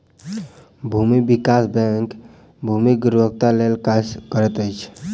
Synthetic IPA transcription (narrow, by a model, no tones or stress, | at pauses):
bʱumibikasbɛ̃ŋk | bʱumiɡʊɾbək̚t̪alelkad͡ʒkəɾɛt̪əjt͡ʃʰ